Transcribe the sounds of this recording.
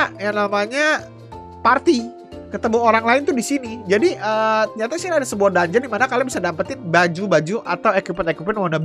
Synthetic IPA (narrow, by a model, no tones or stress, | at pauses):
jaŋnamaɲa | part̪i | kət̪əmuɦoɾaŋlaɪnt̪udisinid͡ʒadiʔət̪ɲat̪aisiniadasəbuahdaɲd͡ʒandimanakalabisadampat̪ɪnbad͡ʒubad͡ʒuʔat̪awekipɛt̪ekupɛtnwanab